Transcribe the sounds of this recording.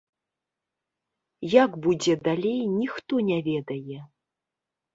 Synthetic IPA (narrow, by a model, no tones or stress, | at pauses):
jaɡbud͡zʲɛd̪alʲejnʲixt̪ɔnʲɛvʲɛd̪ɐjɛ